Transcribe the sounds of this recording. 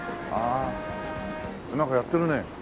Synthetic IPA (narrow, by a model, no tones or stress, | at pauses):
a | kɯnakʌjat͈ɯɾɯne